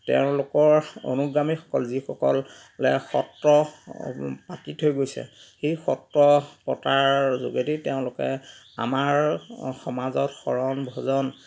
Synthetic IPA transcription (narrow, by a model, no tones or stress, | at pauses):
tḛʊ̃lʊkɔɹo̰nuɡɹamixɔ̥kɔlzixɔkɔl | lɛxɔtɹɔ | patitʰojɡojsɛ̰ | xejxɔtɹɔpɔtaɹzo̰ɡediteʊ̃lʊkɛ̰ | a̰maɹxɔmazɔtxɔɹɔnbʱɔzɔn